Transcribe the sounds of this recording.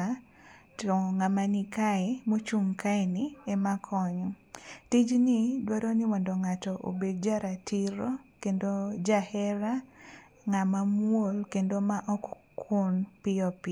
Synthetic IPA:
ɔŋamanikaɛmot͡ʃumkaɛniɛmakʰɔɲɔtid͡ʒnɪdwaɾɔnɪwɔndɔŋatɔʔo̰bed̚d͡ʒaɾatʰiɾɔkendod͡ʒahɛɾa | ŋamamwolkendomaʔɔkkʰunpɪɔpɪ

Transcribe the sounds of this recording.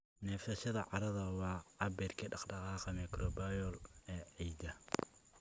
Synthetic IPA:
nɛːfɐʃɐðɐʕɑɾɐðɐwɑːɐbɛːrkʰiɖɑqɖɑqɑːqɑmɛkrɔbajɔlɛːɛjd̪ɐ

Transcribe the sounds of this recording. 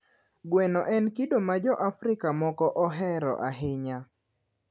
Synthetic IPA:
ɡwɛnɔʔɛnkidomad͡ʒɔʔafɾɪkamɔkɔʔɔɦɛɾɔ̰ʔaɦɪɲa

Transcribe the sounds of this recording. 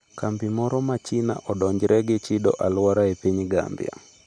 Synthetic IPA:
kambimɔɾɔmat͡ʃina̰ʔɔdɔɲd͡ʒɾʔɛɡɪt͡ʃidɔ̰ʔalwaɾaepiɲɡa̰mbja̰

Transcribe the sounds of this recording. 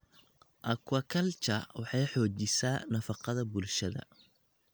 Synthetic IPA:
ʔɐkʰwɐkʰɐlt͡ʃʰɐwɑħɑjħɔːt͡ʃɪsaːnɐfɑqɑðɐbʊlʃɐðɐ̰

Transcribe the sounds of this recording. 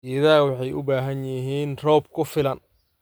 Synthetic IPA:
ɛðaːwɑħɑjʔʊ̰baːɦɐnjɪɦiːnrɔːb̚kʰʊfɪlɐn

